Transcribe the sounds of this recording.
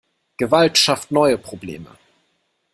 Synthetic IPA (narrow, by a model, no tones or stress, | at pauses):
ɡ̥əvaltʃaftnɔʏəpʁ̥oblḛːmə̰